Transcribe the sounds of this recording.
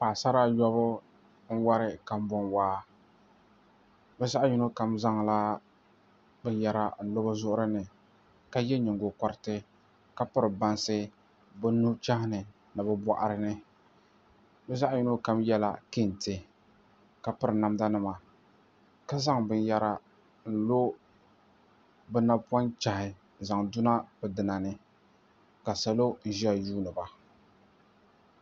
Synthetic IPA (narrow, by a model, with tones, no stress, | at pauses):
paː˨sa˦ɾa˦jɔ˦bʊ˦ | n̩˦wa˦ɾɪ˦ka˨m˦bɔ˨nwaː˦ | bɛ˦za˦ʔju˦no˦ka˨mza˦ŋla˦ | bɨ˦n˦ja˦ɾa˦n̩˨lo˦ba˦zʊ˦ʔʊ˦ɾɨ˦nɨ˨ | ka˦jɛ˦ɲɪ˨ŋɡo˨kɔ˨ɾɪ˦tɨ˦ | ka˦pɨ˦ɾɨ˨ba˦nsɨ˦ | bɨ˦nu˦t͡ʃa˦hɪ˦nɨ˨ | nɨ˨bɛ˦bɔ˦ʔa˨ɾɨ˦nɨ˦ | bɛ˦za˦ʔji˦no˦ka˦mjɛ˦la̰˦ki˦˨ntɨ˨ | ka˨pɨ˦ɾɨ˨na˨mda˦nɨ˦ma˨ | ka˦za˦ŋbɨ˦nja˦ɾa˦ | n̩˨lo˦ | bɛ˦na˦pa˦nt͡ʃa˨hɪ˨ | za˨ŋdʊ˦na˦bɛ˨dɨ˨na˨nɨ˦ | ka˨sa˨lo˦n̩˦ʒɛ˦˨juː˦nɨ˨ba˨